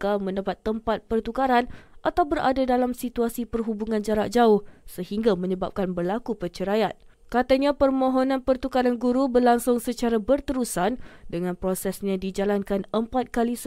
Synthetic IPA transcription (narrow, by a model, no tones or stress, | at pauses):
kamə̃ndapat̪ːəmpat̪̚pərt̪ukaɾanʔat̪awbəɾa̰dadalamsit̪uasipərɦubuŋãnd͡ʒaɾaʔ̚d͡ʒaʊhsəhiŋɡamə̃ɲəba̰p̚kanbərlakupət͡ʃəɾajat̪̚ | kat̪aɲãpərmõɦonãnpərt̪ukaɾanɡuɾubərlaŋsʊŋsət͡ʃaɾabərt̪əɾusandəŋãnpɾosɛsɲãdid͡ʒalankanəmpat̪̚kalis